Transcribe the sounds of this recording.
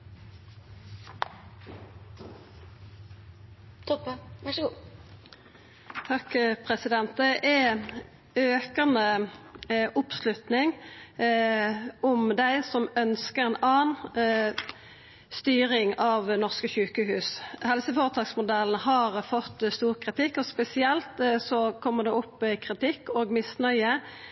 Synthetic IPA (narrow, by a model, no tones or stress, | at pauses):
t̪ʰɔpə | t̪ʰɑkpʰʁɛsɪd̪ɛnt̪̚d̪ɛʔɛ | øːkəʁnə | ʔʊpslʉt̪nɪŋ | ɔmd̪æɪsɔmœnskəʁɛɪnɑːn | st̪yːɾɪŋɑʋnɔʁskəçʉːkəɦʉːshɛlsəfoːʁət̪ʰɑːksmʊd̪ɛln̩ɦɑʁfɔt̪ːst̪uːʁkʰʁɪt̪ɪkːɔspɛsɪɛlt̪sɔkʰɔmːəʁd̪ɛʊpːɪkʰʁɪt̪ɪkːoːɡmɪsnœʏə